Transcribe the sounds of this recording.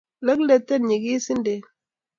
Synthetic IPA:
lə˦klɛ˨tːɛ˦˨nɲi˨ki˦si˦nde˨

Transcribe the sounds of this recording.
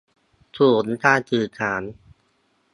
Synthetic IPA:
sʰuː˨˩˦nt̪aː˧t͡ɕɯː˨˩kʰaː˩˦n

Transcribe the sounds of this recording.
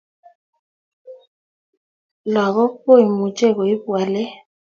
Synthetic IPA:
lwa˨ɣɔ˦po˦˨i˨mu˨t͡ʃʼɛ˦˨ɣɔ˨i˦bwa˨lɛ˦

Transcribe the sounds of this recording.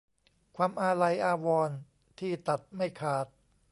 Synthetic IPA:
kʰwaː˧mʔaː˧ɾa˧jʔaː˧wɔː˧n | t̪ʰiː˥˩t̪a˨˩t̪̚ma˥˩jkʰaː˨˩t̪̚

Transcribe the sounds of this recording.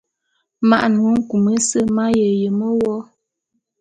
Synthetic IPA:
ma̰˦ʔnu˨˦ŋ̩˦ku˨mə˦sə˦ma˦jə˨jə˨mə˦wɔ˦

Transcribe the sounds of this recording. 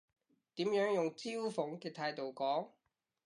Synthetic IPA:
t̪iː˨˥mjœː˨˥ŋjʊ˨ŋt͡siː˥wfʊ˨˥ŋkɛː˧t̪ʰaː˧jt̪o˨wkɔː˨˥ŋ

